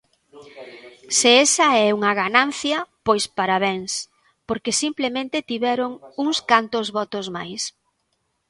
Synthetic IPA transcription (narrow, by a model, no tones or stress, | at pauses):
seesɐɛuŋɐɣananθjɐpojspaɾaβeŋs | poɾkesimplemẽnt̪ɪt̪iβɛɾʊŋuŋskant̪ʊzβɔt̪ʊzmajs